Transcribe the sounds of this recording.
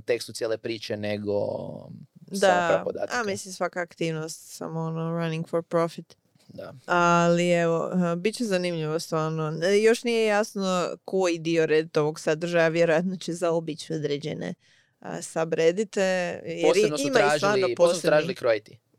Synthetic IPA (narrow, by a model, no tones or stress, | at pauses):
t̪ekst̪ut̪jeːlˠepɾiːt͡ʃeneɡo̰ | d̪apod̪a̰ːt̪amislimsʋakaːkt̪iːʋnost̪sa̰moonoɾaniŋɡfoɾpɾo̞fit̪ | d̪aalieʋo̰bitt͡ʃezanimʎiʋost̪ʋaːɾnojo̞ʃnijejasnoko̞jid̪io̞ɾe̞d̪it̪eo̞ʋo̞ɡsad̪r̩ʒajaʋjeɾojat̪not͡ɕezaobit͡ʃod̪ɾed͡ʑe̞̰nḛ | sabɾeːd̪it̪ejesɾinosimaɾaːʒʋaːɾinopossst̪ɾaːʒilikɾojit̪i